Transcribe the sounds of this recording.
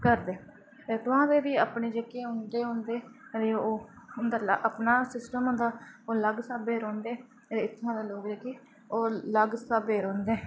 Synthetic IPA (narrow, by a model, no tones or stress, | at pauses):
kəɾd̪eː | eːt̪ʊãːʋeːʋiːaːpɳeːd͡ʒekeːɦʊ̃nd̪eːɦʊ̃nd̪eːd̪eːoːʊnd̪aːlʔəpnaːsɪsʈəmɦʊ̃nd̪aːoːləɡsaːbeːɾõːnd̪eː | t̪eːɪt̪ʰːãːd̪aːloːkd͡ʒeːkeː | oːləɡsaːbeːɾõːnd̪eː